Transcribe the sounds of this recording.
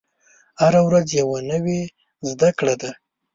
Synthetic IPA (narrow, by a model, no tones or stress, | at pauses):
haɾawɾad͡zjawanəwe | zd̪akɽad̪a